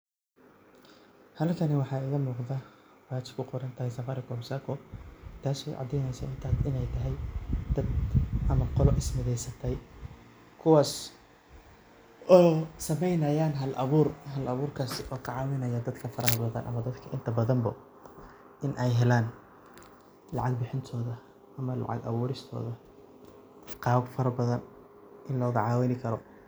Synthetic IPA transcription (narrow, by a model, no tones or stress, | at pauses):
hɐlkʰɐnɪwɑħɑːɪɣɐmuːqðɐ | waːt͡ʃɪ̥bkʰʊqɔɾɐnt̪ʰɐhɛjsɐfɐːɾɪkʰɔːmsaːkʰɔt̪ʰaːsɔːʕɑ̰d̪ːɛjnɛjsɐ̰ʔɪnt̪ʰaːd̪ɪnɛjt̪ʰɐɦɛjd̪̥ɐd̪ʔɐmɐqɔlɔʔɪsmɪðɛjsɐt̪ʰɛj | kʰʊwaːs | ʔɔːsɐmɛjnɐjaːnɦɐlʔɐ̰βuːrɦɐlɐβuːrkʰaːsɪʔɔːkʰɐʕɑːwɪnɐjɐd̪ɐd̪kʰɐfɐɾɐɦɐbɐðɐnʔɐ̰mɐd̪ɐd̪kʰɐʔɪnt̪ʰɐbɐðɐmbɐ̰ | ʔɪnʔɛjɦɛlaːn | lɑʕɑɡ̚bɪħɪnt̪ʰɔːðɐ | ʔɐmɐlɑ̰ʕɑ̰ɡɐ̰βuːɾɪst̪ʰɔ̰ːðɐ | qɑːfɐɾɐbɐðɐn | ʔɪnlɔːɣɐʕɑːwɪnɪkʰɐɾɔ